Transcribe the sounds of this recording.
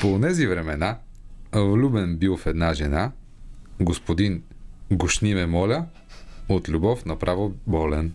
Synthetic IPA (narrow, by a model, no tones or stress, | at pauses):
poːnɛzivɾɛmɛna | vlʲubɛnbilˠfɛd̪naʒɛna | ɡospod̪in | ɡoʃnimɛmɔlʲə | ot̪lʲubɔfnɐpɾʔavobɔlɛn